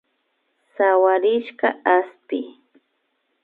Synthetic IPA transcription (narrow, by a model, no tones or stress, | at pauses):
sawaɾɪʃɢaaspɪ